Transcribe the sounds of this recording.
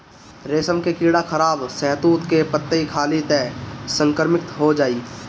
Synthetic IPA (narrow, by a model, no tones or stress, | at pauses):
ɾeːsəmkekiːɽakʰəɾaːbsɛɦt̪uːt̪kepət̪ːəikʰaːlit̪ɛːsə̃ŋkəɾmɪk̚t̪ɦod͡ʒaːiː